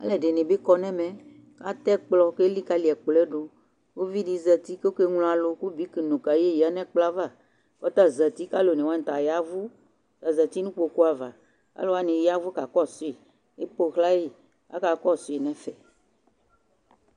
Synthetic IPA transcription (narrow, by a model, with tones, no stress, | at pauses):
a̰˦lɛ˨ɖe˨nẽ˨be˦kɔ˦nɛ̃˦mɛ̃˨ | ka˦t̪ɛ˦k͡plɔ˦ke˦li˦ka˦li˨ɛ˨k͡plɛ˦ɖo˨ | wo˦vi˦ɖi˨˦zɛ˨t̪i˦ke˦o˦ke˦ŋl̃ɔ̃˦a˨lo˨˦ku˦bi˦ki˨nũ˨ka˨je˦˨ji˨a˦nɛ̃˦k͡pla˦va˦˨ | wɔ˦t̪a˦zɛ˨t̪i˦ka˦lo˨nẽ˨wa˦ñ̩˨t̪a˨ja˦vu˦ | t̪a˨zɛ˨t̪i˦nũ˦k͡po˨ku˦a˨va˨ | a̰˦lo˦a˦nĩ˨ja˦vu˦ka˨kɔ˦so˦i˨ | e˦po˦xla˦je˦ | a̰˦ka˨kɔ˦so˨i˨nɛ̃˨fɛ˨